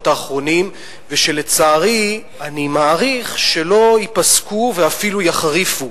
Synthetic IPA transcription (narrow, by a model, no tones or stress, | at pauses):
taːχʁo̞nim | veʃe̞let͡saːʁi | animaːʁiχʃe̞lo̞ipaskuveafilujaχʁifu